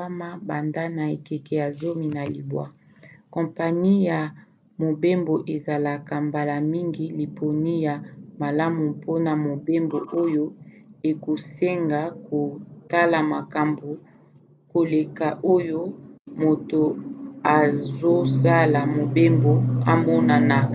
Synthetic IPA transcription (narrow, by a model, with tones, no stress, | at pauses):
a˦ma˦ba˨nda˦na˨e˨ke˨kɛ˨ja˨zo˦mi˨na˨li˨bwa̰˦ | kɔ̃˨mpa˨ni˦ja˨ | mo˨be˦mbo˨ʔe˨za˨la˨ka˨mba˨la˨mi˦ŋɡi˦li˨pʰo˨ni˦ja˨ma˨la˦mu˨pʰo˦na˨mo˨be˦mbo˨ʔo˦jo˦e˨ko˨se˦ŋɡa˨ko˨ta˦la˨ma˨ka˨mbo˨ | ko˨le˨ka˨ʔo˦jo˦mo˨to˨a˨zo˦sa˦la˨mo˨be˦mbo˨a˦mɔ˦na˦˨na˨